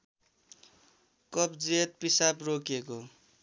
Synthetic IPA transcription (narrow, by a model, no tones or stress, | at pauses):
kʌpd͡zet̪̚pisaprokeko